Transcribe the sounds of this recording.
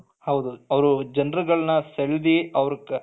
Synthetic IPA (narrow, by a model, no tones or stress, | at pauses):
hɐwd̪uɐʋɐɾud͡ʒɐnɾɐɡɐɭɐnɐseɭd̪iɐʋɐɾɐkː